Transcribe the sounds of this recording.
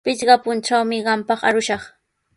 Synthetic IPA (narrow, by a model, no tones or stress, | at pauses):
pɪt͡ʃɢɑpʊnʈ͡ʂawmɪɢɑmpɑχa̰ɾʊʃɑχ